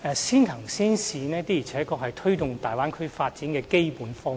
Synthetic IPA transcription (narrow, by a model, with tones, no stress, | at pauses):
ɛː˧siː˥nt̪ʰɐ˨˩ŋsiː˥nsiː˨nɛː˥t̪iː˥ji˨˩t͡sʰɛː˨˥kɔː˧k̚hɐ˨jt̪ʰɵ˥ɥt̪ʊ˨ŋt̪aː˨˩jwaː˥nkʰɵ˥ɥfaː˧t̚t͡siː˨˥nkɛː˧ke˥jpuː˨˥nfɔː˥